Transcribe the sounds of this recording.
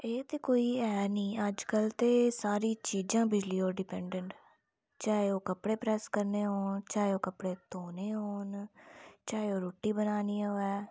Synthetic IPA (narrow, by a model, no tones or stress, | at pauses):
eːt̪eːkoːiːɛːnĩːəd͡ʒkəlt̪eːsaːɾiːt͡ʃiːd͡ʒãːbɪd͡ʒliːoːɾɖɪpɛ̃ːɳɖəɳʈ | t͡ʃaːeoːkəpɽeːpɾɛːskəɾneːɦoːnt͡ʃaːeoːkəpɽeːt̪oːneːɦoːn | t͡ʃaːeoːɾoːʈːiːbənaːniːoːɛː